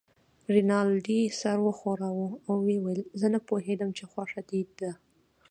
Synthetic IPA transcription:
ɾinɑld̪isaɾwəxoɾawuawːewejlzənapoɦed̪əmt͡ʃexwɑʃad̪id̪ːa

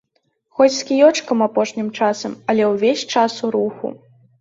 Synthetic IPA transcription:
xɔt͡sʲskʲijɔt͡ʂkɐmapɔʂnʲimt͡ʂasɐmɐlʲɛwvʲesʲt͡ʂasuɾuxṵ

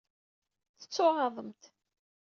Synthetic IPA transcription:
θə̥t͡sːʊʁɑðˤəmt̪

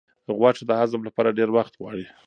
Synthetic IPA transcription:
ɣwɑʈ͡ʂed̪əhazəmlapɑɾaɖeɾwaxt̪ɣwɑɽi

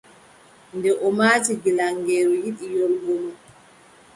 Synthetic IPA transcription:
ndɛʔɔmaːtiɡilaŋɡɛːɾɔjiɗijolɡɔlɔ

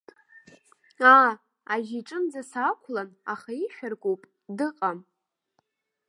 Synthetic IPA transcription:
a | aʒiʈ͡ʂʼɨnd͡zasakʷʰlana̰χaiħʲᶣarɡʷʼowpʼ | dɨqʼam

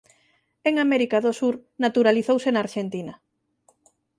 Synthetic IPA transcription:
eŋamɛɾikaðosuɾnat̪uɾaliθowsenaɾʃent̪inɐ

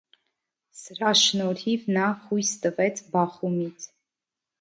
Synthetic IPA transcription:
səɾɑʃnɔɾhivnɑhujst̪əvɛt͡sʰbɑχumit͡sʰ

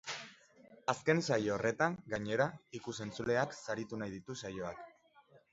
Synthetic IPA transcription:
aske̞nsajoore̞t̪aŋɡaɲe̞ɾaikuse̞nt͡sule̞aksaɾit̪unajðit̪usajo̞ak

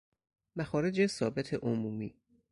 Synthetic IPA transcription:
mæxɒːɾe̞d͡ʒesɒːbe̞t̪ʰeʔomuːmiː

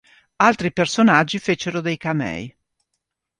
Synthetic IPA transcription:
alt̪ɾipersonad͡ʒːifet͡ʃeɾod̪ejkamɛ̰j

